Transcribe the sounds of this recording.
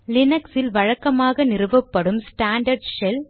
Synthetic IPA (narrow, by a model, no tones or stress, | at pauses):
lɪnɐksɪlʋɐɻɐkːɐmaːɣɐnɪrɯʋɐpːɐɽɯmsʈaːɳɖɐɾɖʃɛl